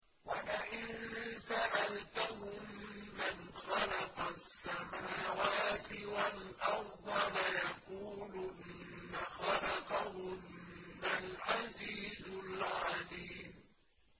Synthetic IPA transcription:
walaʔɪnsaʔalt̪ʊɦʊmːanxɑlɑqɑsːamaaːwaːt̪ɪwalʔɑfd̪ɑɾajɑquːlʊʔɪ | nnːaxɑlɑqɑhʊmːalʕaziːzʊlʕaliːm

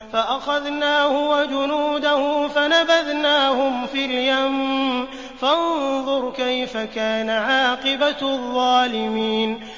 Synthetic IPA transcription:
faʔaxaðnaːhʊwad͡ʒʊnuːd̪ahʊfanabaðnaːhʊmfiːljam | fanðˤʊɾkajfakaːnaʕɑːqɪbaðˤːɑːlɪmiːn

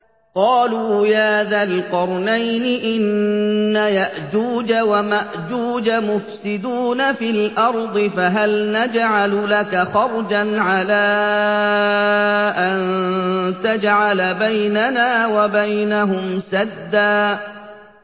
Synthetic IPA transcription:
qɑːluːjaːðaːlqɑɾˤnajnɪʔɪnːajaʔd͡ʒuːd͡ʒawamaʔd͡ʒuːd͡ʒamʊfsɪd̪uːnafilʔɑɾˤd̪ˤɨfaɦalnad͡ʒʕallakaxɑɾˤd͡ʒanʕalaː | ʔannt̪ad͡ʒʕalbajnanaːwabajnaɦʊmsad̪ːaː

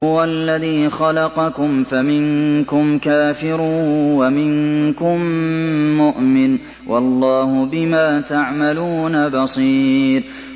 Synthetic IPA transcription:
ʊwalːaðiːxɑlɑqɑkʊmfamɪŋkʊmkaːfɪɾuwamɪŋkʊmː | ʊʔmɪn | wʔɑlˤːɑːhʊbɪmaːt̪aʕmaluːnabɑsˤiːɾ

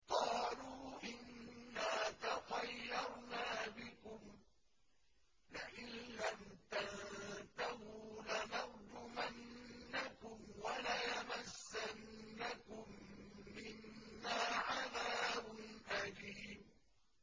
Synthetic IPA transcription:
qɑːluːʔɪnːaːt̪ɑtˤɑjːɑɾˤnaːbɪkʊm | laʔɪnlamt̪alðt̪ahulanɑɾd̪ʊmanːakʊmwalajamasːanːakʊmːɪnːaːʕaðaːbʊnʔaliːm

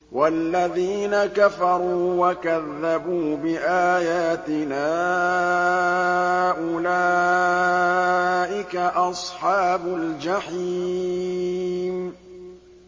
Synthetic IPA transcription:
walːaðiːnakafɑɾˤuːwakaðːabuːbɪʔaːjaːt̪ɪnaː | ʔʊlaː | ʔɪkaʔɑsˤħɑːbʊld͡ʒaħi | m

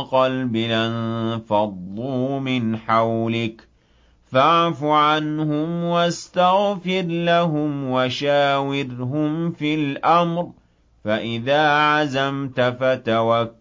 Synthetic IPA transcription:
qɑlbɪlanfɑd̪ˤːuːmɪnħawlɪk | faʕfʊʕanhʊmwast̪aɣfɪɾlaɦʊmwaʃaːwɪɾɦʊmfilʔamɾ | faʔɪðaːʕazamt̪afat̪awakː

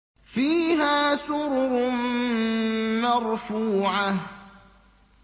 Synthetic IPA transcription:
fiːɦaːsʊɾɾʊ | maɾˤfuːʕa

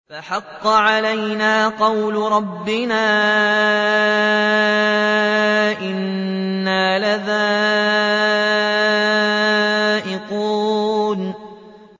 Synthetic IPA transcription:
faħɑqːɑʕalajnaːqɑwlʊɾˤɑbːɪnaː | ʔɪnː | aːlaðaː | ʔɪquːn

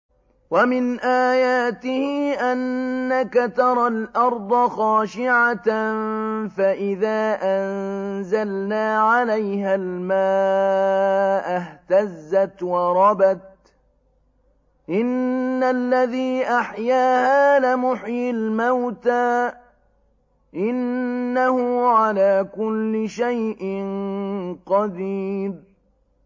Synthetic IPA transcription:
wamɪnʔaːjaːt̪ɪhɪʔanːakat̪ɑɾˤɑlʔɑɾˤd̪ˤɑxɑːʃɪʕanfaʔɪðaːʔannzalnaːʕalajhalmaː | ʔɪht̪azːat̪wɑɾˤɑbat̪̚ | ʔɪnːalːaðiːʔaħjaːhaːlamʊħjɪlmawt̪aː | ʔɪnːahʊʕalaːkʊlːɪʃajʔɪnqɑd̪iːb̚

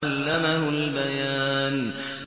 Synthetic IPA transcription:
lːamaɦʊlbajaːn

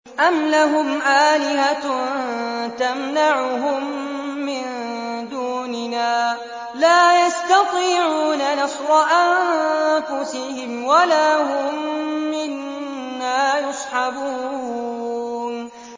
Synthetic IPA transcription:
ʔamlaɦʊmʔaːlɪɦant̪amnaʕʊɦʊmːɪn | d̪uːnɪnaː | laːjast̪ɑt̪ˤiːʕuːnanɑsɾˤɑʔanfʊsɪhɪmwalaːɦʊmːɪnː | aːjʊsˤħɑbuː | n

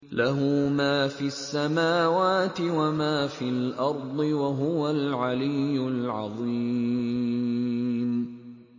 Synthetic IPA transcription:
laɦʊmaːfiːasːamaːwaːt̪ɪwamaːfiːlʔɑɾˤd̪ˤɨwaɦʊwalʕalɪjːʊlʕɑ̰ðˤi | m

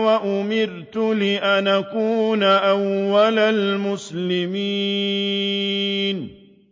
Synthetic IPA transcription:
waʔʊmɪɾt̪ʊlɪʔanakuːnaʔawːalalmʊslɪmiː | n

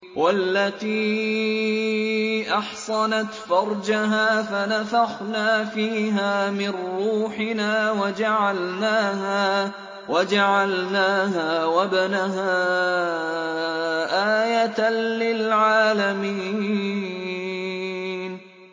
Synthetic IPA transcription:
wʔalːat̪iː | ʔɑħsˤɑnat̪fɑɾˤd͡ʒaɦaːfanafaxnaːfiːɦaːmɪnɾuːħɪnaːwad͡ʒaʕalnaːɦaː | wad͡ʒaʕalnaːɦaːwabanaɦaː | ʔaːjat̪alɪlʕaːlamiː | n

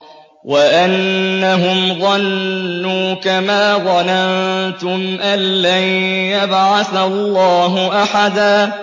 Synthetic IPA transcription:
waʔanːaɦʊmðˤɑnːuːkamaːðˤɑnant̪ʊmʔanːajjabʕaθalːɑːɦʊʔaħad̪aː

